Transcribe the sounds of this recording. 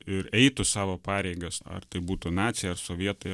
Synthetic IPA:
ɪɾɛɪt̪ʊsɑːʋoːpɑːɾʲɛɪɡɐsɐ̰rt̪ɐɪbuːt̪ʊnɑːt̪sʲɪjɐrsoːʋʲiɛt̪oɪ

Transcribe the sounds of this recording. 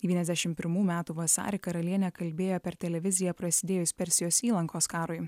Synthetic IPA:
d̪ʲɛʋʲiɛnɛzd̪ʲæʃʲɪmpʲɪɾmuːmʲæːt̪uːʋɐsɑ̰ːɾʲɪkɐɾɐlʲiɛnʲɛkɐlʲbʲeːjoːpʲɛɾt̪ʲɛlʲɛʋʲɪzʲɪjɛpɾɐsʲɪd̪ʲeːjoɪspʲɛɾʲsʲɪjoːsiːlˠɐŋkoːskɑːɾʊj

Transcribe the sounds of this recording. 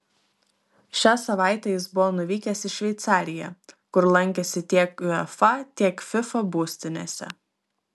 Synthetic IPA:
ʃʲæːsɐʋɑˑɪt̪ʲɛjɪsbʊʋɔːnʊʋʲiːkʲɛsɪʃʲʋʲɛɪt̪sɑːɾʲɪjɛ̰kʊɾlˠɐŋʲˑkʲɛsʲɪt̪ʲiɛkʊɛfɐt̪ʲiɛkfʲɪfɐbuːsʲt̪ʲɪnʲḛːsʲɛ̰

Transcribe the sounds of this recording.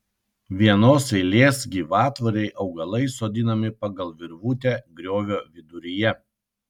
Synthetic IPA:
ʋʲiɛnoːsɛɪlʲeːsɡʲiːʋɑːt̪ʋɐɾʲɛɪʔɒʊɡɐlˠɐɪsoːd̪ʲɪnɐmʲɪpɐɡɐlˠʋʲɪɾʋuːt̪ʲæːɡɾʲoːʋʲoːʋʲɪd̪ʊɾʲɪjɛ

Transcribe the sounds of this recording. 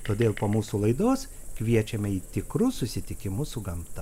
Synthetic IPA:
t̪oːd̪ʲeːlˠpoːmuːsulˠɐɪd̪oːskʲʋʲiɛt͡ʃʲɛmʲɛiːt̪ʲɪkɾʊsʊsʲɪt̪ʲɪkʲɪmʊsʊɡɐmt̪ɐ

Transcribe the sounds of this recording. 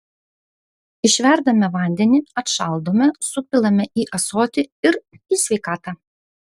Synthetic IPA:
ɪʃʲʋʲɛˑɾd̪ɐmʲɛʋɐˑnʲd̪ʲɛnʲɪɐt̪ʃɐlˠd̪oːmʲɛsʊpʲɪlˠɐmʲɛʔiːʔɐsoːt̪ʲɪɪɾ | iːsʲʋʲɛɪkɑːt̪ɑː

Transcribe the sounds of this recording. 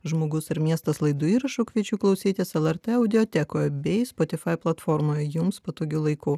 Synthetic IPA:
ʒmoːɡʊsɪɾmʲiɛst̪ɐslˠɐɪd̪ʊiːɾɐʃukʲʋʲiɛt͡ʃʲuːklˠɐʊsʲiːt̪ʲeːsɛlˠɛɾt̪ɛɐʊd̪ʲɪoːt̪ʲɛkoːjɛbʲɛɪspot̪ʲɪfɐɪplˠɐt̪fɔːɾmoːjɛjʊmspɐt̪oːɡʲuːlˠɐɪkuː

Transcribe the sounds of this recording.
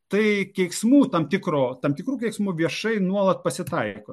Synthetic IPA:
t̪ɐɪkʲɛɪksmuːt̪ɐmt̪ʲɪkɾoːt̪ɐmt̪ʲɪkɾuːkʲɛɪksmuːʋʲiɛʃɐɪnuɔlˠɐt̪̚pɐsʲɪt̪ɐɪkoː

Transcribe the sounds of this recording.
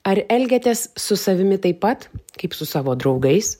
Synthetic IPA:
ɐɾɛlʲɡʲɛt̪ʲɛsːʊsɐʋʲɪmʲɪt̪ɐɪpːɐt̪kɐɪpsʊsɑːʋoːd̪ɾɐʊɡɐɪs

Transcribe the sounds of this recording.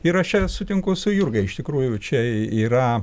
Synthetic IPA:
ɪɾɐʃt͡ʃʲɛsʊt̪ʲɪŋkʊsʊjurɡɐɪɪʃt̪ʲɪkɾuːjʊt͡ʃʲɛiːɾɐ

